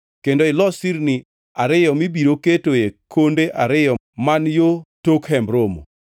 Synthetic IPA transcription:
kendoɪlɔsiɾnɪ | aɾɪjɔmibiɾoketojekʰondeʔaɾɪjɔ | manjotokhɛmbɾomo̰

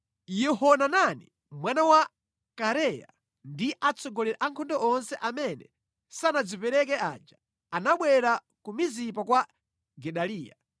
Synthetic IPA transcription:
jɛhɔnananḭ | mwanawa | kaɾɛja̰ | ndiʔat͡sɔɡɔlɛɾaʔaŋkʰɔndɔɔnsɛʔamɛnɛ | sanad͡zipɛɾɛk̬ɛa̰d͡ʒa | anaɓwɛɾa | kumizipakwa | ɡɛɗaliːja̰

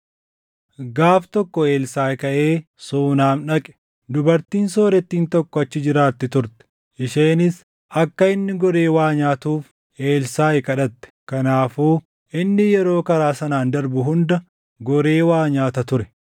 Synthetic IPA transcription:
ɡaːft̪ɔkːɔe̞ːlsaːkɐʔeː | suːnaːmᶑɐkʼɛ̥ | d̪ʊbɐɾt̪iːnso̞ːɾɛt̪ːiːnt̪ɔkːɔɐt͡ʃːɪd͡ʒɪɾaːt̪ːɪt̪ʊɾt̪ɛ̥ | ʔɪʃeːnɪs | ɐkːɐɪnːɪɡɔɾe̞ːwaːɲaːt̪uːf | ʔe̞ːlsaːɪkɐᶑɐt̪ːɛ̥kɐnaːfuː | ʔɪnːɪjɛɾo̞ːkɐɾaːsɐnaːnd̪ɐɾbʊɦʊnd̪ɐ | ɡɔɾe̞ːwaːɲaːt̪ɐt̪ʊɾɛ

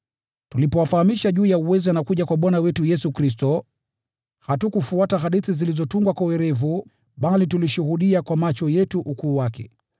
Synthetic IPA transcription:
tulipɔwafahamiʃaʄuːjauwɛzianakuʄakwaɓwanawɛtujɛsukɾis̬tɔ | hatukufuataɦaɗiθizilizɔtuŋɡwakwawɛɾɛvu | ɓalituliʃuhuɗiakwamat͡ʃɔjɛtuʔukuːwakɛ̰

